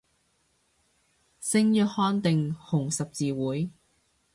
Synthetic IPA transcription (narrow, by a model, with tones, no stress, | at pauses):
sɪ˥ŋjœː˨˥t̚hɔː˥nt̪ɪ˨ŋhʊ˨˩ŋsɐ˨p̚t͡siː˨˧wuː˨˥j